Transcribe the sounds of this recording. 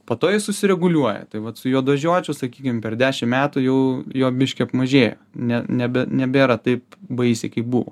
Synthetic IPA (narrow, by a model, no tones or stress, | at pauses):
poːt̪oːjɪsʊsʲɪɾʲɛɡʊlʲuɔjɛ̰t̪ɐɪʋɐt̪sʊjoːd̪ʋɐʒʲuɔt͡ʃʲʊsɐkʲiːkʲɪmpʲɛrd̪ʲæːʃʲɪmmʲæːt̪ʊjɛʊjoːbʲɪʃʲkʲɪɐpmɐʒʲeːjo̰nʲɛnʲɛbʲɛnʲɛbʲeːɾɑt̪ɐɪpbɐɪsʲɛkɐɪpbuːʋo̰ː